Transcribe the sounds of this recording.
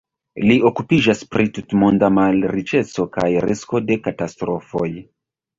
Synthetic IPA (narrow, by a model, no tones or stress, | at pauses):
lio̞kupid͡ʒaspɾitutmondamalɾit͡ʃe̞t͡so̞kajɾisko̞de̞katastɾo̞fo̞j